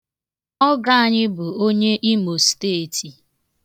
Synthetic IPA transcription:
ɔ˦ɡa˦˨a˦˨ɲɪ˦bʊ˨o˦ɲe˦ʔi˦mo˨steː˦˨ti˨

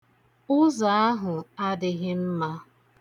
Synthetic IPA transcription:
ʊ˦za˨a˦ɦʊ˨a˦dɪ˨ɣɪ˦m̩˦ma˦

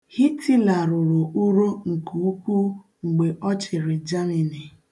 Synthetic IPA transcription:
hi˦tʰi˦la˨ɾʊ˨ɾo˨u˦ɾo˦ŋ̩˨kʰu˨u˦pu˦ | ŋ͡m̩˨ɡ͡be˨ʔɔ˦t͡ʃɪ˨ɾɪ˨d͡ʒa˦mi˨ni˨

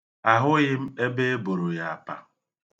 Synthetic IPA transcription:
a˨ɦʊ˦ɣɪ˦m̩˦e˦be˦e˦bo˨ɾo˨ja˨a˨pa˨

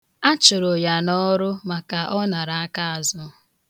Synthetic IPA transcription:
a˦t͡ʃʊ˨ɾo˨ja˨nɔ˦ɾʊ˦ma˨ka˨ʔɔ˦na˨ɾa˨a˦ka˦a˨zɔ˦

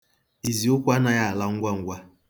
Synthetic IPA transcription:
i˨zi˨ʊ˦kʷa˦na˨ja˦a˨la˦ŋ̩˦ɡʷa˦ŋ̩˦ɡʷa˦

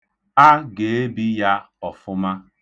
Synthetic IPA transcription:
a˦ɡe˨e˦bi˦ja˦ | ɔ˨fʊ˦ma˦

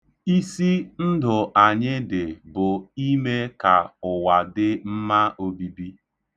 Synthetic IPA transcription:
i˦si˦n̩˦dʊ˨ʔa˨ɲɪ˦dɪ˨bʊ˨i˦me˦ka˨ʊ˨wa˨dɪ˦m̩˦ma˦o˦bi˦bi˦

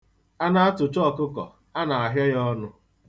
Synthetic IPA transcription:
a˦na˦a˦tʊ˨t͡ʃɔ˦˨kʊ˦kɔ̰˨ | a˦na˨a˨ɦja˦jɔ˦nʊ˦

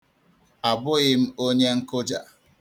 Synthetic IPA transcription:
a˨bʊ˦ɣɪ˦m̩˦o˦ɲe˦ŋ̩˦kʊ˦d͡ʒa̰˨

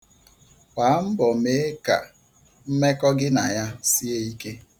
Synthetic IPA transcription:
pa˨˦m̩˦bɔ˨me˦ka̰˨ | m̩˦me˦kɔ˦ɡɪ˦na˨ja˦si˦e˦i˦ke˦

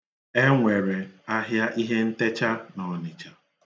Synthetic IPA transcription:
e˦ŋʷe˨ɾe˨a˦ɦja˦ʔi˦ɦe˦n̩˦te˦t͡ʃa˦nɔ˨nɪ˨t͡ʃa˨

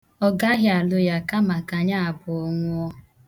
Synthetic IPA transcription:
ɔ˦ɡa˦ɦja˨lʊ˦ja˦ka˦ma˨ka˨ɲa˦a˨bʊ˨ɔ˦ŋʷʊ˦ɔ˦

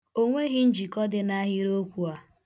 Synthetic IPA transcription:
o˦ŋʷe˦ɦɪ˦n̩˦d͡ʒi˨kɔ˦dɪ˨na˦ɦɪ˦ɾo˦kʷu˨a˨

